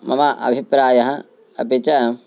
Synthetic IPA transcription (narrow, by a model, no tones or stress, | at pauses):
mɐmaʔɐ̰bʱipɾaːjɐɦɐ | ɐ̰pit͡ʃɐ